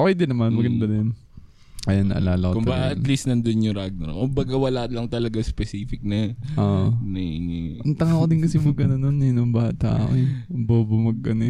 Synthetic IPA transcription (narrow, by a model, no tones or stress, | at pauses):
ʔoʔojd̪ɪnɐmanmɐɡɐnd̪ɐd̪ɪn | ʔɐjanːɐ̰ʔɐ̰laːlɐkokʊmɐbaɡ̰aʔɐlist̪nɐnd̪onjʊŋɾaɡ̚nɛ̰ɾkʊmbɐɡawɐlaʔ̪lɐŋt̪ɐlɐɡaspɛsiːfɪk̚nɐʔoːʔʔnɐinɛʔɐnt̪ɐŋakod̪ɪnkɐsɪmɐɡkɐnɐnonɛnombaːht̪a̰ʔɐ̰ʔobobomɐɡ̚kɐnɛ